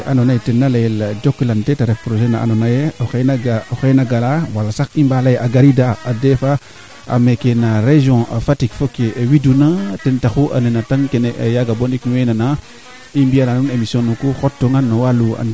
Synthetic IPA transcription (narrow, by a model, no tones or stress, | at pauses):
ʔanonajtenːalajeld͡ʒokːilantetaɾefpɾoʒenaa̰nonajeoxenaɡaoxenaɡalawalːasaximbalajeʔaɡaɾidaadefa | a̰mekenaɾeʒõa̰fatikfokewidunatentaxuʔa̰nenataŋkenejaɡaboniknuwenana | imbialanunemisjõnukuxotːoŋanːowalua̰n